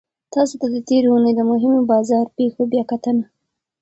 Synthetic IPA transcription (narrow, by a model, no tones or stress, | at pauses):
t̪ɑsot̪ad̪ət̪eɾounəjd̪əmʊɦɪmobɑzɑɾpexobjɑkat̪əna